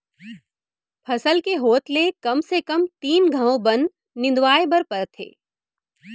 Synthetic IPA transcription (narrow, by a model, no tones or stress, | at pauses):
pʰɐsəlkeɦoːt̪lekɐmsekɐmt̪iːnɡʱə̃õbɐn | nɪ̃nd̪ʋaːebɐɾpəɾt̪ʰḛː